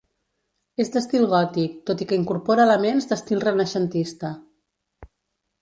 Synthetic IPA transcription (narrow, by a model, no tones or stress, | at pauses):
ezd̪əst̪ilˠɣɔt̪ik̚t̪ot̪ikəiŋkuɾpɔɾəːləmenzd̪əst̪ilˠrənəʃənt̪ist̪ə